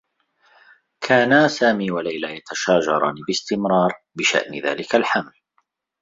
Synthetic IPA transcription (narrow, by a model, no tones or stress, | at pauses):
kʰaːnasaːmiːwalajlaːjat̪aʃaːd͡ʒɑɾˤɑ̰ːniːbɪst̪ɪmɾɑːɾˤ | bɪʃa̰ʔnɪða̰ːlɪkalħaml